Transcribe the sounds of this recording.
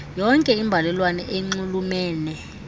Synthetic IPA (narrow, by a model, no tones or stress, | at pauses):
jɔŋkʼɛimbʱalɛlwanɛʔeŋ͡ǀulumɛːnɛ